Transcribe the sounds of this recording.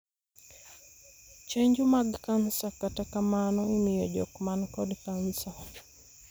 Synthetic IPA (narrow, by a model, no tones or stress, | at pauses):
t͡ʃɛɲd͡ʒumaɡkansakatakamanɔimijɔd͡ʒɔ̰kmankɔdkansa